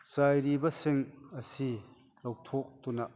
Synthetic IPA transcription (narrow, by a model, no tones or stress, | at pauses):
sajɾibɐseŋɐsi | lɐwt̪ʰɔk̚t̪unɐʔ